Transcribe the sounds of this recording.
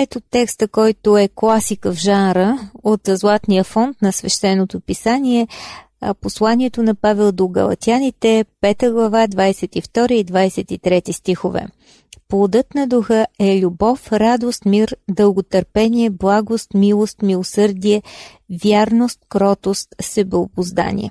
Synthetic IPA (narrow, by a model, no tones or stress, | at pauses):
ɛt̪ot̪ːɛkst̪əkɔjt̪ʊɛklˠasikəvʒanɾəot̪zlˠat̪nijəfɔnt̪nɐsvɛʃt̪ɛnːot̪opisaniɛ̰ | poslˠanʲiɛt̪onɐpavɛlˠd̪oɡɐ̰lˠɐ̰t̪ʲianit̪ɛpɛt̪əɡlˠɐvad̪vajsɛt̪ift̪ɔɾiːd̪vajsɛt̪it̪ɾɛt̪ist̪ixovɛ̰ | plˠod̪ɤt̪nɐd̪uxəɛlʲubɔfɾad̪ost̪miɾd̪əlˠɡot̪əɾpɛniɛblˠaɡost̪milˠost̪milˠosɤɾd̪iɛ | vʲjaɾnost̪̚kɾɔt̪ost̪sɛbɛobʊzd̪a̰nʲḭɛ̰